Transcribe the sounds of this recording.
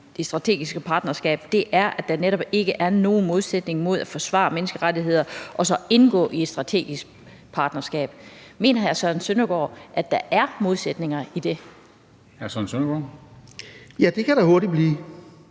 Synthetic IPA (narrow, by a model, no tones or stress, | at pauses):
d̥e̝sd̥ʁɑ̈t͡sʰe̝̰ːɡ̥isɡ̥əpʰɑ̈ːd̥nɐsɡ̥ɛ̰ːb̥̚d̥e̝ʔæɐʔæ̥ɑ̈neɾɒ̽b̥e̝ɡ̥əʔæɐno̝ːn̩mo̝ð̞ˠsed̥ne̝ŋmo̝ð̞̰ˠæfɒ̽sʋɑ̰̈ːmenəsɡ̥əʁadiɦe̝ð̞̰ˠɐʔɒ̽sɒ̽e̝nɡ̥ɔ̰ːʔie̝̥sd̥ʁɑ̈t͡sʰe̝̰ːɡ̥isɡ̥̚ | pʰɑ̈ːd̥nɐsɡ̥ɛ̰ːb̥̚me̝̰ːnɐhæɐsɒn̩sønɐɡ̥ɒ̰ːʔæd̥ɑ̈ʔæɐmo̝ð̞ˠsed̥ne̝ŋɐid̥e̝ | hæɐsɒnsønɐɡ̥ɒ̰ | jæd̥e̝kʰæɾ̥æho̝ɐɾ̥ib̥liː